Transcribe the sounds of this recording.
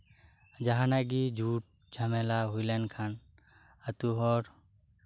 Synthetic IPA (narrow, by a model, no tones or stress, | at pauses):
d͡ʒaɦãnaɡid͡ʒʱuʈ̚ | d͡ʒʱamɛlaɦujlankʰan | at̪uɦɔɾ